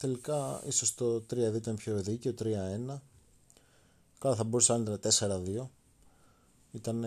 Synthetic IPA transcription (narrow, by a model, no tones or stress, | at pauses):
t̪e̞likɐiso̞st̪o̞t̪ɾiɐðioit̪ɐnpço̞ðice̞o̞t̪ɾiɐe̞nɐ | kɐlɐθɐboɾuseɐnt̪ɐnɐt̪e̞se̞ɾɐðio̞ | it̪ɐn